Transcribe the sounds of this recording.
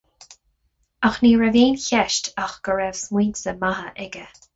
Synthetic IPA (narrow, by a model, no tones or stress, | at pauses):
axniːɹɛviːnçɛʃtʰaxɡ̥əɹɛvsmwiːnsəmaɦəʔɛɡə